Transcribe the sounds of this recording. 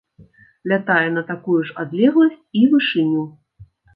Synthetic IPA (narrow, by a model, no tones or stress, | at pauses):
lʲat̪ajɛn̪ɐt̪akujuʂad̪lʲɛɣlˠɐsʲt͡sʲivɨʂɨnʲiw